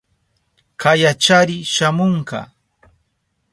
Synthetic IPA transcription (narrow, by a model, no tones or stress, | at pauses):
kajat͡ʃaɾɪʃamoɴkɑ̰